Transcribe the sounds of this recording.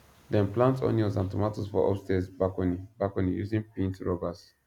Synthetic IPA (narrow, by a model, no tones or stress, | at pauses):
dɛ̃nplãntɔ̰̃niɔzãntɔmatosfɔʔɔ̰fstɛsbakonibakɔnijṵzĩŋpɹĩntɹɔbas